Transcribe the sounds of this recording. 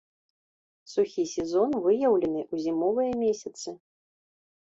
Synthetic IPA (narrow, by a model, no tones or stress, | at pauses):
suxʲisʲɛzɔnvɨjɐwlʲɛnɨʔuzʲimɔvɨjɐmʲesʲɐt̪sɨ